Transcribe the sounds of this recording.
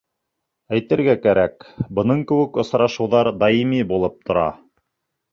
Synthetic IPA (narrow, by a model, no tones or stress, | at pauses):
æjt̪ɘ̆ɾɡækæɾækbɤ̆nɤɴkɘ̆wɘ̆kŏsɾɑʃɤ̆wðɑɾd̪ɑjimibulˠɤp̚t̪ʰŏɾɑ̰